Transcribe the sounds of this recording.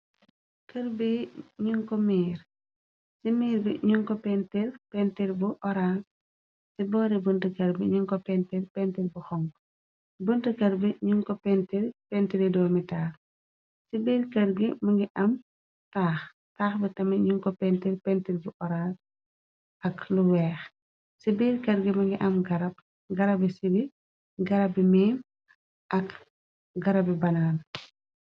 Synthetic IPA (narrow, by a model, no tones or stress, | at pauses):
kɐɾbiɲuŋkɔmiːɾ | simiːɾbḭɲuŋkɔpɛntiɾpɛntiɾbuʔɔɾaːs | sibɔːɾibəntəkɐɾbiɲuŋkɔpɛntiɾpɛntiɾbuxɔŋɡ | buntəkɐɾbiɲuŋkɔpɛntiɾpɛntiɾidɔːmitaː | sibeɾkɐɾɡimɐŋɡiʔɐm | taːx | taːxbitɐmɐɲuŋkɔpɛntilpɛntilbuʔɔɾaːl | ʔɐkluwɛːx | sibeɾkɐɾɡimɐŋɡiʔɐmɡɐɾɐb̚ | ɡɐɾɐbisibi | ɡɐɾɐbimeːm | ʔɐk | ɡɐɾɐbibɐnaːn